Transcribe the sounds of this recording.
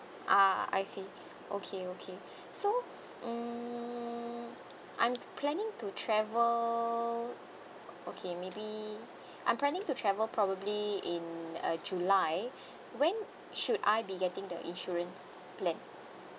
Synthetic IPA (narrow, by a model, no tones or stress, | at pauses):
ʔaa̰jsi | ʔo̰kʰeokʰe | so | ãm | ʔã̰j̃mpʰlɛ̃nɪ̃ŋtutʰɹɛvəl | okʰemebi | ʔã̰jmplɛ̃nɪ̃ŋtutʰɹɛvəlpʰɹɔbəbliɪ̃nʌ̰d͡ʒulaɪ | wɛ̃n | ʃuda̰jbiɡɛtɪ̃ŋdəʔḭ̃nʃuɹə̃ns | plɛ̃n